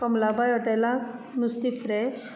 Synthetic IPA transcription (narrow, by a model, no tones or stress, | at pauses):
kɔmlabajɔʈelanust̪ifɾɛs